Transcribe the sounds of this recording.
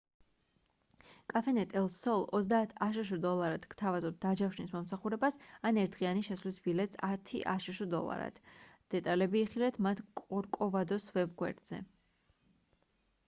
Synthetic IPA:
kʼafɛnɛt̪ʼɛlˠsɔlˠɔzd̪aːt̪ʰaʃ̬uʃ̬ɔd̪ɔlˠaɾad̪̥ɡ̥t̪ʰavazɔt̪̚d̪ad͡ʒafʃnismɔmsaχuɾɛbasanɛɾt̪ʰʁianiʃɛsvlisbilɛt̪ʼsat̪ʰiʔa̰ʃuʃɔd̪ɔ̰lˠa̰ɾa̰d̪̥d̪̥ɛt̪ʼalɛbiːχilɛt̪ʰmat̪ʰkʼɔɾkʼɔvad̪ɔsvɛbɡwɛ̰ɾd̪̥z̥ɛ̰

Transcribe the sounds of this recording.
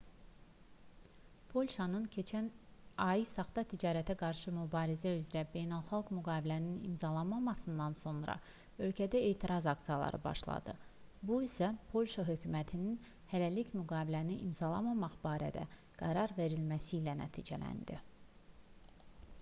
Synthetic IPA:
pʰo̞lʲʃɑnɯncʰe̞t͡ʃʰænɑjisɑχt̪ɑt̪ʰid͡ʒɑːɾæt̪ʰæɡɑɾʃɯmybɑːɾizæyzɾæbe̞jnɑlˠχɑlˠɡmyɡɑːbilæninḭmzɑlˠɑnmɑmɑsɯnd̪ɑnso̞nɾɑ̰ | ø̞lcʰæd̪æe̞ːt̪ʰiɾɑzɑkt̪ijɑlˠɑ̰ɾɯ̰bɑ̰ʃlˠɑ̰d̪̥ɯbuisæpʰo̞lʲʃɑɦø̞cʰymæt̪ʰinin | hælælicmyɡɑːbilæniʔimzɑlˠɑmɑmɑχb̥ɑːɾæ̰d̪æ̰ | ɡ̥æɾɑɾve̞ɾilmæsilænæ̰t̪ʰḭːd͡ʒælæ̰nd̪i

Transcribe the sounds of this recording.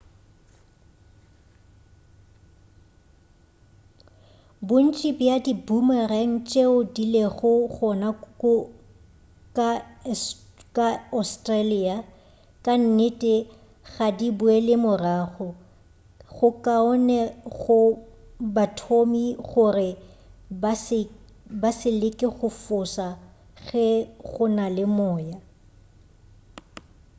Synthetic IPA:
bʊn̩t͡ʃʼibɪjadibumaran̩t͡ʃʼeʊdileɣʊɣɔna | kʼa | kʼaɔstʼralia | kʼan̩nɪtʼɪ | ɣadibʊɛlɪmʊraːɣɔ | ɣʊkʼaɔnɛɣʊ | batʰomiɣʊrɪ | sɪ | basɪlɪkʼɪɣʊfʊsa | ɣɛɣʊnalɪmɔːja

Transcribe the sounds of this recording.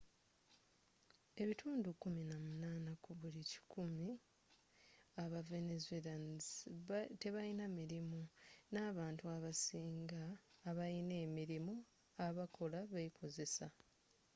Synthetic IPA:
e̞βitʰuːndukuminamunaːnakuβulici̥kʰumi | aβave̞nezuelan | te̞βajinamiɾimunaːβaːntuaβasiːŋɡaːβajine̞ːmiɾimu | aβakʰo̞laβeikʰo̞ze̞sa

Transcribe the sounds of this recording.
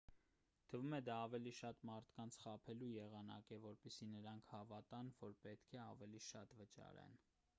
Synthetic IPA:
t̪ʰəvumɛd̪ɑːvɛliʃɑt̪mɑɾt̪ʰkɑnt͡sʰχɑpʰɛlujɛʁɑnɑ̰kɛvɔɾpɛsinəɾɑŋkʰhɑvɑt̪ɑnvɔɾpɛt̪kʰɛɑ̰vɛliʃɑ̰t̪vət͡ʃɑ̰ɾɛ̰n

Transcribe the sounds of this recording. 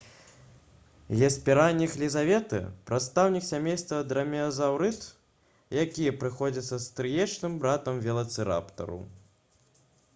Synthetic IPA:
ɣʲɛsʲpʲɛɾanʲːixlʲizavʲɛt̪ɨ̰pɾat̪st̪awnʲiksʲamʲejst̪vɐd̪ɾɐmʲɛɐzawɾɨt̪ | jakʲijɛpɾɨxɔd͡zʲɐt̪sːɐst̪ɾɨjɛt͡ʂnɨmbɾat̪ɐmvʲɛlˠɐt̪sɨɾa̰pt̪ɐ̰ɾṵ

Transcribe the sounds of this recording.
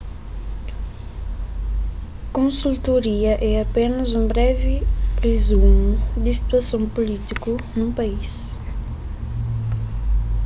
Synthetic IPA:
kõsult̪oɾiɐʔɛɐpẽnɐzũbɾɛvɪrezumud̪isi̥t̪uɐsɐ̃w̃pulit̪ikunũpais

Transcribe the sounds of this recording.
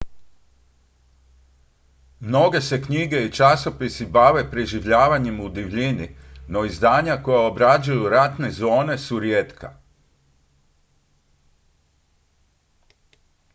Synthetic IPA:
mno̞ɡe̞se̞kɲiɡe̞it͡ʃaso̞pisibaʋe̞pɾeʒiʋʎaːʋaɲemud̪iʋʎinino̞izd̪aːɲako̞jao̞bɾad͡ʒujuɾat̪ne̞zo̞ːne̞suɾjeːt̪kʰa̰

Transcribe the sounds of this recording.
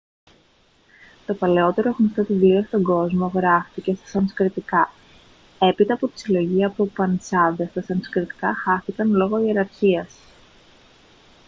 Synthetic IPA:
t̪o̞pɐle̞o̞t̪e̞ɾo̞ɣnost̪o̞ðivlio̞st̪o̞ŋɡo̞zmo̞ɣɾɐfθice̞st̪ɐ̥sɐnskɾit̪ikɐ | e̞pit̪ɐːpo̞t̪i̥silo̞ʝiɐpo̞pɐnt͡sɐðest̪ɐsɐnskɾit̪i̥kɐxɐθikɐnlo̞ɣo̞ie̞ɾɐɾçiɐs

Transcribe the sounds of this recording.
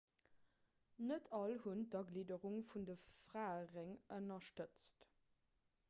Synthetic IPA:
nətʰɑlhundɐɡliːdəʁuŋfundəfʁaːəʁeŋənɐʃtət͡st

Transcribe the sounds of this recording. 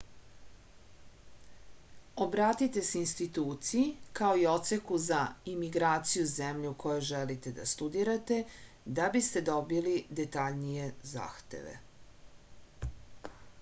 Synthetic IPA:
obɾaːt̪it̪e̞seinst̪it̪uːt̪sijikao̞io̞t̪se̞kuzaimiɡɾaːt̪sijuzemʎukʰo̞joʒelit̪e̞d̪a̰st̪ud̪iɾat̪e̞ | d̪abist̪e̞d̪o̞bilid̪e̞t̪aʎnije̞za̰ːxt̪ḛʋḛ

